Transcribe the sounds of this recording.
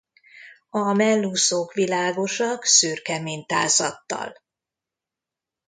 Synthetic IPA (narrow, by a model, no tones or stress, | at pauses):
ɒmɛlːusokʋilaːɡo̞ʃɒksyːrkɛmeːɲt̪a̰ːzɒ̰t̪ːɒ̰l